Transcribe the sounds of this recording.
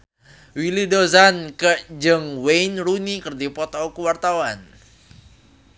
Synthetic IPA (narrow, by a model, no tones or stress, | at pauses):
wilidozankəd͡ʒəŋwenɾunikərdipɔt̪ɔwkəwart̪awan